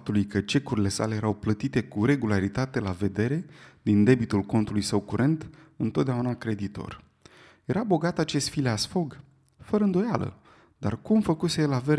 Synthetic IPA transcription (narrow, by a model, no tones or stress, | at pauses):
t̪ulujkət͡ʃe̞kuɾile̞sa̰le̞jeɾawplət̪it̪e̞kuɾe̞ɡulaɾit̪at̪e̞lave̞d̪e̞ɾe̞d̪ind̪e̞bit̪ulko̞nt̪ulujsəwkuɾʔe̞nt̪ɨnt̪ot̪̚d̪eaunakɾe̞d̪it̪o̞̰r | je̞ɾabo̞ɡat̪at͡ʃe̞st̪fileasfo̞ɡ | fəɾəɨnd̪o̞jalə̰ | d̪a̰rkumfəkuselaveɾ